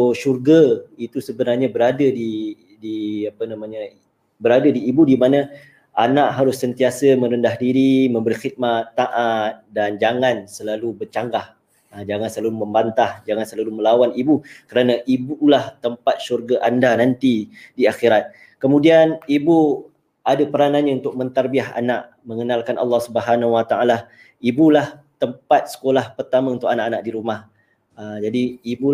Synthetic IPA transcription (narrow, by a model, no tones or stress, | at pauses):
ʃurɡait̪usəbənarɲabəɾadədi | diapənamãɲa | bəɾadədiːbudimana | ʔanaʔɦaɾʊsːənt̪iasəmə̃ɾəndaɦdiɾimə̃mbəɾixit̪̚mat̪ːaʔat̪̚dand͡ʒaŋãnsəlalubət͡ʃaŋɡah | d͡ʒaŋansəlalumə̃mbant̪ahd͡ʒaŋansəlaluməlawanibukəɾanaʔibulaht̪əmpat̪̚ʃurɡaʔandanant̪idiaxiɾat̪̚ | kəmũdianibu | ʔadapəɾananɲãunt̪ʊk̚mə̃nt̪arbiaɦa̰naʔ | məŋənalkanʔa̰lːɑhsubəɦanawat̪aʔala | ibulaht̪əmpat̪̚sə̥kolahpərt̪amãunt̪ʊkanaʔanaʔdiɾumah | əd͡ʒadiːbu